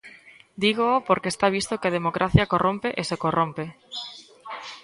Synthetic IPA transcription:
d̪iɣoopoɾkest̪aβ̞ist̪okeaðemokɾʔaθjakorompeʔesekorompe

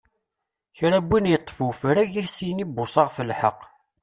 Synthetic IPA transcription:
çɾæbːinjət̪ˤːfufəɾæʝiɾsinibːʊsˤɑʁfəlħə̰qː

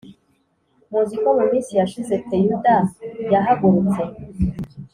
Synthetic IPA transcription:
muzikomumĩnsijaʃizetejudajaɦaɡuɾut͡se

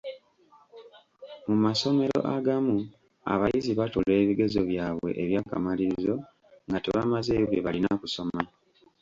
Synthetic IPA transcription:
mumaso̞me̞ɾo̞̰ʔaɡamu | a̰βajiziβatule̞ːβiɡe̞zo̞βjaːβwe̞̰ʔːβjaːka̰maliɾizo̞ | ŋɡatḛβamazeːβeβalinakuso̞ma

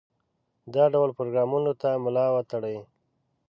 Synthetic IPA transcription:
d̪ɑɖawlpɾoɡɾɑmunot̪amʊlɑwat̪aɽəj

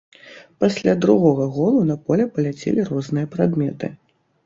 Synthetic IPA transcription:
pasʲlʲad̪ɾuɣɔɣɐɣɔlˠunɐpɔlʲɛpɐlʲat͡sʲɛ̰lʲirɔznɨjɐpɾad̪mʲɛt̪ɨ̰

